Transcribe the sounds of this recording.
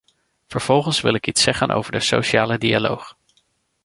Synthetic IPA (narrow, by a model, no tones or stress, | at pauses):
v̥əɹv̥ɔlˠχənsʋɪlɪkitsɛχənʔo̰wvəɹdəso̰wʃaːlədialo̰wχ